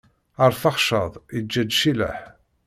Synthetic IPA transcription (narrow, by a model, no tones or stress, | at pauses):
əɾˤθɑχʃəðˤid͡ʒːæd̪ʃilæ̰ħ